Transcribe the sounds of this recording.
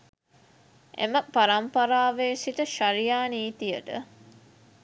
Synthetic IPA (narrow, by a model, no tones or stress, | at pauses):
ʔḛməpaɾɐmpɐɾaːʋeːsiʈəʃaɾijaːniːt̪ijəʈə̰